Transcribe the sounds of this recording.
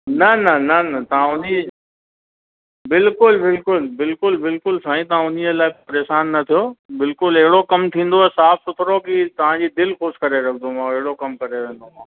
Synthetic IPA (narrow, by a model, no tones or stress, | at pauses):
nɐnɐnɐnɐt̪ɐʋ̤ãʊni | bɪlkʊlbɪlkʊlbɪlkʊlbɪlkʊlsaːĩt̪̬ɐʋ̤ãʊn̤ĩelaːipɐɾeːʃaːnːɐt̪ʰijobɪlkʊlɐɦɪɽokɐmt̪ʰĩːn̆d̪oɛsaːfʰsʊt̪ʰɾokit̪ɐʋ̤ãːd͡ʑiːd̪ɪlxoːskɐɾeɾɐkʰnd̪omãːɐɦɪɽokɐmkɐɾeʋẽːn̆d̪omãː